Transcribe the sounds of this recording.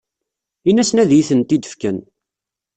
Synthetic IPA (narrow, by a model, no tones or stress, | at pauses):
inæsənæðjiθənt̪id̪ə̥fkən